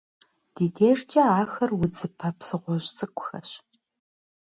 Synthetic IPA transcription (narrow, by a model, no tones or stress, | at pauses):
d̥iːdeːrt͡ʃʼɐaːxɐrwʊd͡zɨpʰɐpsɨʁʷɔʑt͡sʼɨkʷʰʼʊxɐ̰ɕ